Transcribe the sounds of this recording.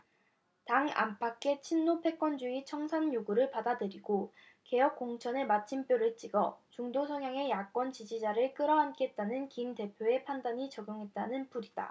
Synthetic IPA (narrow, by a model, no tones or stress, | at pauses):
taŋa̰mpʰak͈ʰe̞t͡ɕʰinːopʰe̞k͈wʌnd͡ʑuit͡ɕʰʌŋsʰanjoɡuɾɯɭpadadɯɾiɡo | ke̞jʌk͈̚oŋt͡ɕʰʌneɭmat͡ɕʰimp͈joɾɯɭt͡ɕ͈iɡʌt͡ɕuŋdosʰʌŋjaŋe̞jak͈wʌnt͡ɕid͡ʑid͡ʑaɾɯɭk͈ɯɾʌɦank͈eɦt̚t͈anɯnkimte̞pʰjoe̞pʰandaɲit͡ɕʌɡjoŋɦe̞t̚t͈anɯnpʰuɾida̰